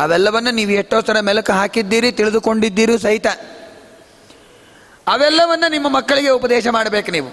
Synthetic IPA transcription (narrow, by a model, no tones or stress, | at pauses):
ɐʋɛlːɐʋɐnːuniːʋuɛʈːoːsɐɾɐmɛlɐkuɦaːkid̪ːiːɾit̪iɭid̪uko̞ɳɖid̪ːiːɾuːsɐɦit̪ɐ | ɐʋɛlːɐʋɐnːunimːɐmɐkːɐɭiɡe̞upɐd̪ɛːʃɐmaːɽɐbeːkuniːʋu